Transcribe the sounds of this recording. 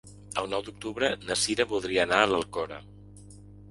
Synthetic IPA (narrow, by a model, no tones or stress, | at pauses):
əlˠnɔwd̪uk̚t̪uβɾənəsiɾəβulˠd̪ɾiəːnaələlˠkɔɾə̰